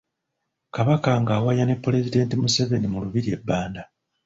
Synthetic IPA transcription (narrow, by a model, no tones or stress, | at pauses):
kaβakaŋɡaːwajane̞pːule̞zide̞ːntimuseve̞nimuluβiɾie̞bːaːnda